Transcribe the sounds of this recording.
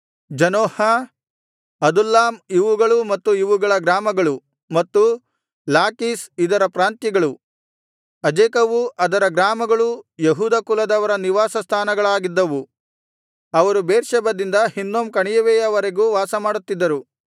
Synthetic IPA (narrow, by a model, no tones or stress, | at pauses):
d͡ʒɐnoːhɐ | ɐd̪ulːaːmiʋuɡɐɭumɐt̪ːuiʋuɡɐɭɐɡɾaːmɐɡɐɭu | mɐt̪ːu | laːkiːsid̪ɐɾɐpɾaːnt̪jiɡɐɭu | ɐd͡ʒeːkɐʋuʔɐd̪ɐɾɐɡɾaːmɐɡɐɭujeɦuːd̪ɐkulɐd̪ɐʋɐɾɐniʋaːsɐst̪ʰaːnɐɡɐɭaːɡid̪ːɐʋu | ɐʋɐɾubeːɾʃɛbɐd̪ind̪ɐhinːoːmkɐɳijɐʋɛːjɐʋɐɾeɡuːʋaːsɐmaːɽut̪ːid̪ːɐɾu